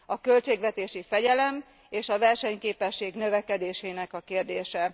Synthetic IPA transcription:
ɒkø̞lt͡ʃeːɡʋɛt̪eːʃifɛɟɛlɛm | eːʃɒvɛrʃɛɲkeːpɛʃːeːɡnø̞vɛkɛd̪eːʃeːnɛkɒkeːrd̪eːʃɛ

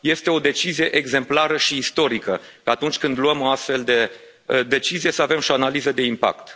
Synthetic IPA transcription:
je̞st̪e̞o̞d̪e̞t͡ʃizije̞ʔeɡze̞mplaɾəʃiːst̪o̞ɾikəkaːt̪unt͡ʃʲkɨnd̪luəmo̞ast̪fe̞ld̪e̞ | d̪e̞t͡ʃizije̞səave̞mʃoanalizəd̪e̞impa̰kt̪

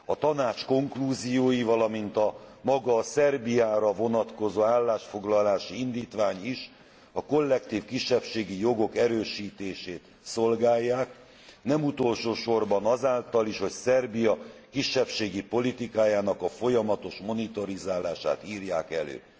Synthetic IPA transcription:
ɒt̪ɒnaːt͡ʃko̞ŋkluːzijoːjivɒlɒmint̪ɒmɒɡɒːsɛrbijaːɾɒvo̞nɒt̪ko̞zoːaːlːaːʃfo̞ɡlɒlaːʃiind̪iːt̪ʋaːɲiʃ | ɒko̞lːɛkt̪iːfkiʃːɛpʃeːɡijo̞ɡo̞kɛɾøːʃiːt̪eːʃeːt̪ | so̞lɡaːjːaːk | nɛmut̪o̞lʃoːʃo̞rbɒnɒzaːlt̪ɒliʃho̞csɛrbijɒkiʃːɛpʃeːɡipo̞lit̪ikaːjaːnɒkɒfo̞jɒmɒt̪o̞ʃmo̞nit̪oɾizaːlaːʃa̰ːt̪iːrjaːkɛlø̰ː

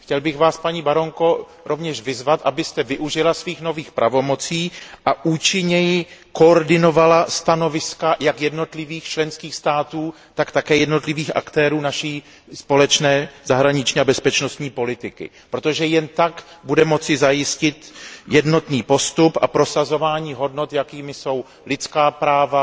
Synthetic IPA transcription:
xcɛlbɪxvaːspaɲiːbaɾo̞ŋko̞ | ɾʔo̞vɲɛʃvɪzvat̪ʔabɪst̪ɛvɪʔuʒɪlasviːxno̞viːxpɾʔavo̞mo̞t͡siːʔaʔuːt͡ʃɪɲɛjɪko̞oɾdɪno̞valast̪ano̞vɪskajakjɛdno̞t̪lɪviːxt͡ʃlɛnskiːxst̪aːt̪uː | t̪akt̪akɛːjɛdno̞t̪lɪviːxʔa̰kt̪ɛːɾuːnaʃiː | spo̞lɛt͡ʃnɛːz̥aɦɾaɲɪt͡ʃɲiːabɛspɛt͡ʃno̞st̪ɲiːpo̞lɪt̪ɪkɪ̰ | pɾo̞t̪o̞ʒɛjɛnt̪ak | budɛmo̞t͡sɪzajɪscɪt̪jɛdno̞t̪niːpo̞st̪upʔa̰pɾo̞sazo̞vaːɲiːɦo̞dno̞t̪jakiːmɪso̞w | lɪt͡skaːpɾaːva

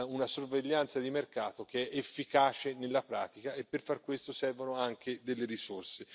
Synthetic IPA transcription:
unasorveʎːant̪sad̪imerkaːt̪ok̟eɛʔefːikaːt͡ʃenelːapɾa̰ːt̪ikaʔepːerfarkwest̪osɛrvonoaŋkʰed̪elːeɾisorse

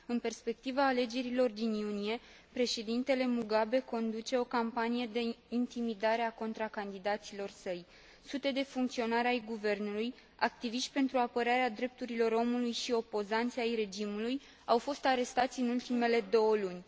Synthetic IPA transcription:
ɨnpe̞rspe̞k̚t̪ivaːle̞d͡ʒe̞ɾilo̞rd̪injunije̞ | pɾe̞ʃe̞d̪int̪e̞le̞muɡabe̞ko̞nd̪ut͡ʃe̞o̞kampanije̞d̪e̞int̪imid̪aɾe̞ako̞nt̪ɾakand̪id̪at̪silo̞rsəj | sut̪e̞d̪e̞fuŋkt̪sio̞naɾeajɡuve̞rnuluj | a̰k̚t̪iviʃt̪ʲpe̞nt̪ɾuapəɾaɾead̪ɾe̞p̚t̪uɾilo̞ɾo̞mulujʃio̞po̞zant̪sʲajre̞d͡ʒimuluj | awfo̞st̪aɾe̞st̪at̪sʲɨnult̪ime̞le̞d̪o̞wəlunʲ

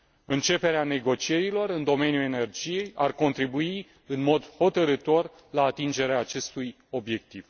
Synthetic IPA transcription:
ɨnt͡ʃe̞pe̞ɾeane̞ɡo̞t͡ʃije̞ɾilo̞rɨnd̪o̞me̞nijue̞ne̞rd͡ʒije̞jarko̞nt̪ɾibui | ɨnmo̞d̪ho̞t̪əɾɨt̪o̞r | laːt̪ind͡ʒe̞ɾeaːt͡ʃe̞st̪uj | o̞bje̞k̚t̪iv̥

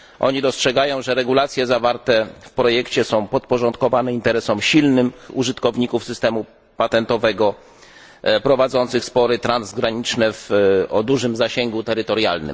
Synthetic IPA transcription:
ʔɔ̰ɲid̪ɔstʂɛɡajɔ̃w̃ʐɛɾɛɡulat̪sʲjɛzavaɾt̪ɛfpɾɔjɛkt͡ɕɛsɔ̃w̃pɔt̪̚pɔʐɔnt̪̚kɔvanɛint̪ɛɾɛsɔmɕilnɘmuʐɘt̪kɔvɲikufsɘst̪ɛmu | pat̪ɛnt̪ɔvɛɡɔ | pɾɔvad̪zɔnt̪sɘxspɔɾɘt̪ɾanzɡɾaɲit͡ʂnɛvɔd̪uʐɘmzaɕeŋɡut̪ɛɾɘt̪ɔɾjalnɘ̰m

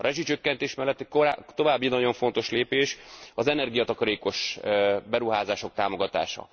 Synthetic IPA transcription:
ɒɾʔɛʒit͡ʃø̞kːɛnt̪eːʃmɛlːɛt̪ːɛkoɾat̪o̞vaːbːinɒɟo̞ɱfo̞n̪t̪o̞ʃleːpeːʃɒzɛnɛrɡijɒt̪ɒkɒɾeːko̞ʃbɛɾuɦaːzaːʃo̞k̚t̪aːmo̞ɡɒt̪a̰ːʃɒ̰

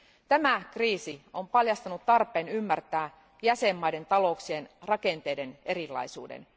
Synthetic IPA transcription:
t̪æmækriːsio̞mpɑljɑst̪ɑnut̪t̪ːɑrpˑe̞ːnymːært̪æː | jæsemːɑjde̞nt̪ɑlo̞uksie̞nrɑke̞nt̪e̞jde̞ne̞ɾilːɑ̰jsṵːdḛn

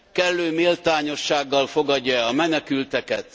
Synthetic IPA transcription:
kɛlːøːmilt̪aːɲo̞ʃːaːɡːɒlfo̞ɡɒɟːɒɛɒmɛnɛkylt̪ɛkɛt̪

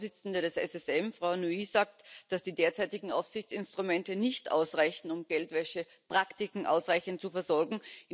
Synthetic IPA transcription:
zɪt͡sn̩dəɾɛsɛsɛsɛmfʁ̥aʊnuiːzaːk̚td̥asd̥iːdeːɐt͡saɪtɪɡŋ̩ʔa̰ʊfsɪçt͡sɪnstʁ̥ʊmɛntənɪçtʔa̰ʊsʁaɪçn̩ʊmɡ̥ɛltvɛʃə | pʁ̥aktɪkŋ̩ʔa̰ʊsʁaɪçn̩t̚t͡sufɛɐzɔɐɡŋ̩ʔɪ

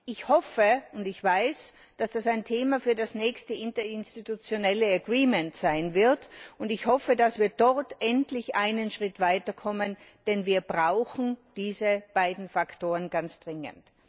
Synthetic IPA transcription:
ʔɪçhɔfəʊndɪçv̥aɪs | d̥asd̥asaɪntʰeːmafyːɐdasnɛːçstəɪntɐɪnstitut͡sjonɛləɐɐɡʁiːmɛntsaɪnvɪɐtʊndɪçhɔfədasv̥iːɐd̥ɔʁtʔɛntlɪçʔaɪnənʃʁ̥ɪtv̥aɪtɐkʰɔmənd̥ɛnviːɐbʁaʊxn̩d̥iːzəb̥aɪdn̩faktoːʁənɡant͡sd̥ʁɪŋə̰nt

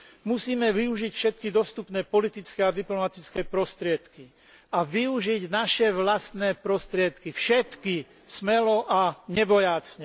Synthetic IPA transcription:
musiːmɛʋiuʒicfʃɛt̪̚kid̪ɔst̪upnɛːpɔlit̪it͡skɛad̪iplɔmat̪it͡skɛːpɾɔst̪ɾɪɛt̪ki | aʋiuʒiɟnaʃɛʋlast̪nɛːpɾɔst̪ɾɪɛt̪kifʃɛt̪ki | smɛlɔʔaɲɛbɔjaːt͡sɲɛ

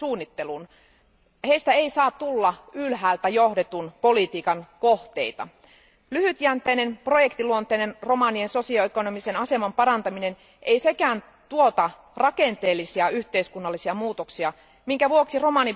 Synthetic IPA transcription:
suːnːit̪ːe̞lun | heist̪æeisɑːt̪t̪ːulːɑylɦæːlt̪æjo̞hde̞t̪unpo̞lit̪iːkɑnko̞ht̪e̞̰jt̪ɑ̰ | lyhyt̪jænt̪ejnenpro̞je̞kt̪iluont̪eːnenro̞mɑnienso̞siɑeko̞no̞mise̞nɑse̞mɑmpɑɾɑnt̪ɑmine̞n | ʔeijse̞kæːn | t̪uot̪ɑ | rɑkent̪e̞ːlːisiɑyçt̪eiskunːɑlːisiɑmuːt̪oksiɑ | miŋkæʋuoksiro̞mɑni

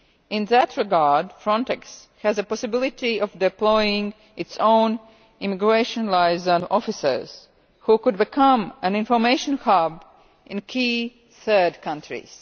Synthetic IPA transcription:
ɪ̃nðætʰɹɪɡɑɹdfɹɔ̃ntɛks | hæzəpɔsɪbɪlˠɪtiʔɔvdɛplɔɪɪ̃ŋ | ʔɪtsõʊ̃n | ɪmɪɡɹeɪʃə̃nlaɪzənɔfɪsə̰˞z̥ | hukʊd̚bɪkʰʌ̃mæ̃nɪ̃nfɔ˞meɪʃə̃nhɑb | ʔɪ̃nkʰiː | θɜ˞dkʰʌ̃ntʰɹḭz̥

